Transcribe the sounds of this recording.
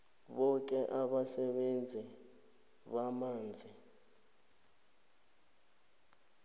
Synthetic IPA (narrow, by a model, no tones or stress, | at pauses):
ɓɔk̬ɛʔaɓasɛɓend͡zʱi | ɓamaːnd͡zʱi